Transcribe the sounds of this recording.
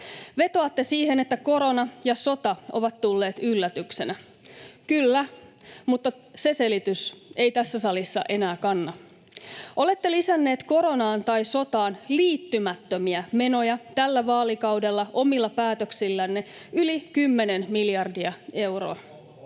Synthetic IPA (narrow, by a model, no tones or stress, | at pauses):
ʋe̞t̪oɑt̪ːe̞siːhe̞ne̞t̪ːæko̞ɾo̞nɑjɑso̞t̪ɑʔoʋɑt̪t̪ːulːe̞ːt̪ylːæt̪ykse̞næ | kylːæ | mut̪ːɑ | se̞se̞lit̪yse̞ijt̪æsːæsɑlisːɑ̰ʔe̞næːkɑnːɑ | ʔo̞le̞t̪ːe̞lisænːe̞ːt̪ko̞ɾo̞nɑːnt̪ɑjso̞t̪ɑːnliːt̪ːymæt̪ːømiæme̞no̞jɑt̪ælːæʋɑːlikɑwde̞lːɑʔo̞milːɑpæːt̪øksilːænːeylikymːe̞nenmiljɑrdiɑe̞wro̰ː